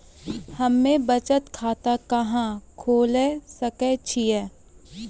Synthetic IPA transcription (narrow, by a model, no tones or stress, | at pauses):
hɐmːẽbət͡ʃət̪kʰaːt̪akɐɦãkʰoːlesəkɛt͡ʃʰiɛː